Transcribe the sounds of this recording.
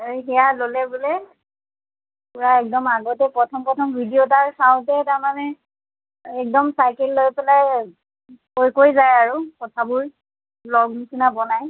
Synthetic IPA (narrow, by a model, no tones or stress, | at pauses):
ejxɛjalolɛbulɛ | puɹaɛk̚dɔmaɡɔtɛpɹɔtʰɔmpɹɔtʰɔmbʱidiotaɹsaʊt̬ɛtaɹmanɛ | ɛk̚dɔmsajkɛlːojpɛlaj | kojkojzajaɹukɔtʰabʊɹ | lɔɡnisinabɔnaj